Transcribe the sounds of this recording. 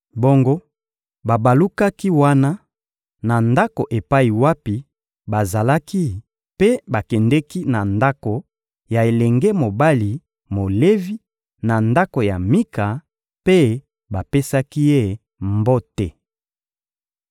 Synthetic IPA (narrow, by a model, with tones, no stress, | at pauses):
bo˦ŋɡo˦ | ba˨ba˨lu˦ka˦ki˦wa˦na˦ | na˨nda˦ko˨ʔe˨pa˦i˨wa˦pi˨ | ba˨za˨la˦ki˦ | pe˦ba˨kɛ˨ndɛ˦ki˦na˨nda˦ko˨ | ja˨e˨lɛ˨ŋɡɛ˦mo˨ba˦li˨ | mo˨le˦vi˦ | na˨nda˦ko˨ja˨mi˦ka˨ | pe˦ | ba˨pe˦sa˦ki˦je˦˨ | mbo˦tɛ˨